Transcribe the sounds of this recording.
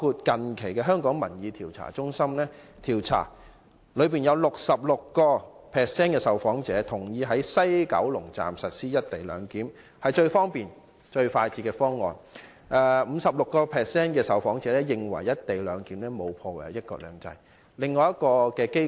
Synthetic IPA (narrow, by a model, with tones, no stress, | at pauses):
kʰuː˧t̚kɐ˨nkʰe˨˩jkɛː˧ɦœː˥ŋkɔː˨˥ŋmɐ˨˩njiː˨˧t̪ʰiː˨˩wt͡sʰa̰ː˨˩t͡sʊ˥ŋsɐ˥mlɛː˥t̪ʰiː˨˩wt͡sʰa̰ː˨˩ | lɵ˨˧ɥpiː˨˩njɐ˨˧wlʊ˨k̚sɐ˨p̚lʊ˨kːɔː˧pʰɛː˨ksɛː˥nkɛː˧sɐ˨wfɔː˨˥ŋt͡sɛː˨˥t̪ʰʊ˨˩ŋjiː˨˧ɦɐ˨˥jsɐ˥jkɐ̰˨˥wlʊ˨˩ŋt͡sa̰ː˨msɐ˨t̚siː˥jɐ˥t̚t̪e˨jlœ̰ː˨˧ŋkiː˨˥m | hɐ˨jt͡ʃɵ˧ɥfɔː˥ŋpiː˨˩n | t͡ʃɵ˧ɥfaː˧jt͡siː˧˥kɛː˧fɔː˥ŋːɔ̰ː˨n | ʔɛː˨˩m̩˨˧sɐ˨p̚lʊ˨kːɔː˧pʰɛː˨sɛː˥nkɛː˧sɐ˨˩wfɔː˨˥ŋt͡sɛː˨˧˥lɛː˥jɪ˨ŋwɐ˨˩jːɐ˥t̚t̪e˨˩jlœː˨˧ŋkiː˨˥mlɛː˥mo˨˧wpʰɔː˧wa̰ː˨˩˨jɐ˥t̚kɔ̰ː˧lœ̰ː˨˧ŋt͡sɐ̰˧j | lɪ˨ŋːɔː˨˧jɐ˥t̚kɔː˧kɛː˧ke˥